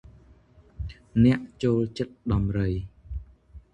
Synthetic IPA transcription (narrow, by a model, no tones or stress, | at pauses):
nɛ̆əʔt͡ɕoːlt͡ɕət̪̚ɗɑmrəj